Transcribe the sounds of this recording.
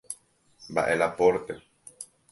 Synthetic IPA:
mba̰ʔelapoɾt̪e

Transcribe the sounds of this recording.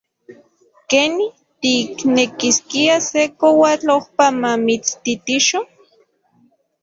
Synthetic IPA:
kenih | t̪iknekiskiasekowat͡ɬohpamamit͡st̪it̪iʃo

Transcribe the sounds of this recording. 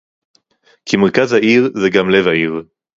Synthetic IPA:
kʰimeʁkazhaiʁzeɡamle̞vhaiʁ

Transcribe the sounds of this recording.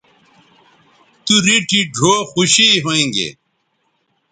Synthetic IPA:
t̪uɾiʈʰiɖʱoːxuɕiɦoĩŋɡḛ

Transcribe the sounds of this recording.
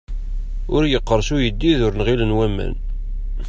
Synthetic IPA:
ʊɾjəqːəɾˤʃujəd̪ːiðʊɾnʁilənwæmːæ̰n

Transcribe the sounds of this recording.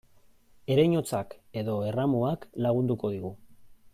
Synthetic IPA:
e̞ɾajɲo̞t͡sake̞ðo̞e̞ramoaklaɣ̞und̪uko̞ð̞iɣu

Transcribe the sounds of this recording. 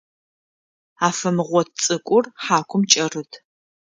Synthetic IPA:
aːfɐmɨʁʷɔt̚ʰt͡sʼɨkʷʼʊrħaːkʷʰʊmt͡ʃʼɐrɨtʰ

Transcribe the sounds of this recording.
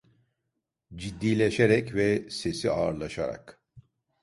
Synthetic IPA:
d͡ʒid̪ːiːlʲeʃeɾɛcvɛse̞siaːɾlˠaʃaɾa̰k

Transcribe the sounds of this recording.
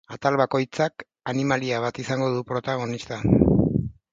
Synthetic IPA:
at̪alβako̞jt͡sak | animaliaβ̞at̪isaŋɡo̞ðupɾo̞t̪aɣ̞o̞nist̪a

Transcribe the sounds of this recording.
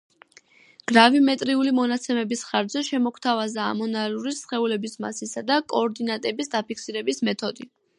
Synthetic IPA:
ɡ̥ɾavimɛt̪ʼɾiulimɔnat̪sʰɛmɛbisχaɾd̪d͡ʒzɛʃɛmɔkʰt̪ʰavaza̰ːmɔnaluɾisχɛulɛbisma̰sisad̪akʼɔːɾd̪inat̪ʼɛbisd̪apikʰsiɾɛbismɛt̪ʰɔd̪i

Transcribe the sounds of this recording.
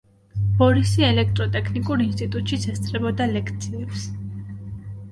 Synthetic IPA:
b̥ɔɾisiɛlɛk̚ʰt̪ʼɾɔt̪ʼɛkʰnikʼuɾinst̪ʼit̪ʼut̪ʼʃit̪sʰɛst̪sʰɾɛbɔd̪alɛkʰt̪sʰiɛps

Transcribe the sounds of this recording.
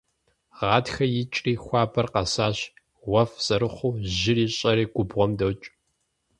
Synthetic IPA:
ʁɑːtxɐjɪt͡ʃʼriːxʷɑːpʰɐrqɐsaːɕ | wʷɐfsʼɐɾɨχʷuːʑɪriːɕʼɐɾiːɡʷʊbʁʷɔmdɐwt͡ʃʼ

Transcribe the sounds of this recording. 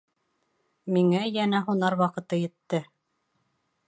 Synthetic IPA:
miŋæjænæɦunɑɾwɑqɤ̆t̪ɤjɘ̆t̪ːɘ

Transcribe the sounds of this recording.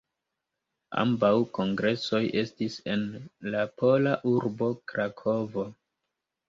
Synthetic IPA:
a̰mbawko̞ŋɡɾe̞so̞jʔe̞stise̞nlapʰo̞laʔuɾbo̞kɾakʰo̞vo̞

